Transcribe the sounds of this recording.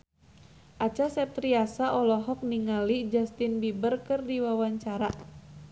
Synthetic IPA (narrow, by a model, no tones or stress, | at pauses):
ʔat͡ʃasɛp̚t̪ɾiasaʔɔlɔɦɔk̚niŋalid͡ʒast̪inbibərkɨrdiwawaɲt͡ʃaɾa